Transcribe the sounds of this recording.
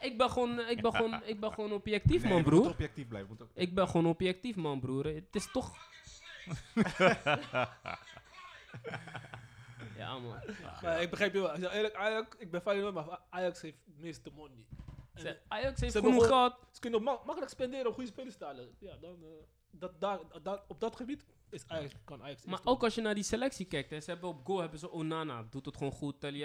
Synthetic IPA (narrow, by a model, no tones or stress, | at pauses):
ɪk̚bəχoːnɛk̚bəonɪk̚bɛoːnopjɛk̚tifmɐnbruɔpjɛk̚tifblɛ̰jfəmutɛk̚bɛχoːnopjɛk̚tifmɐnbruːɾtɪstoχ | ja̰ɐ̰mɐ̰l̰ˠmaɪk̚bəχrɛjpjosɛɛləkajɑkɪk̚bɛfɛjlənoːtmaajɑksheftmɪst̚dəmɔnːi | ajɑksheftnuχɔtsə̥kønomɑkələkspɛndɪːɾəɔmχujəspeːləstəaːləjadɔn | dɔtdaɔb̚dɑtχəbit | ɪsajɑkkɔnajɑksmaːʔowkɑlsjənaːɹdiselɛksikɛjk̚tɛsəɛbəɔp̚ɡoːlɦɛbəzəʔonana̰dutətχoːnχuttɛlj